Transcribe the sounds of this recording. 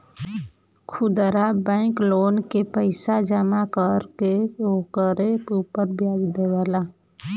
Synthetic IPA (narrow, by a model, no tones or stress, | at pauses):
kʰʊd̪ɾabɛ̃ɪkloːnkepəɪsad͡ʒəmakəɾkeokəɾeuːpəɾbjaːɡd̪ewaːla